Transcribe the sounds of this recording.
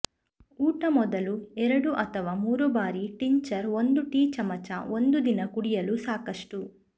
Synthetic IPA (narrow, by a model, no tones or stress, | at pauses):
uːʈɐmɔd̪ɐluɛɾɐɽuʔɐt̪ʰɐʋaːmuːɾubaːɾiʈiɲt͡ʃɐɾond̪uʈiːt͡ʃɐmɐt͡ʃa̰o̞nd̪ud̪inɐkuɽijɐlusaːkɐʂʈu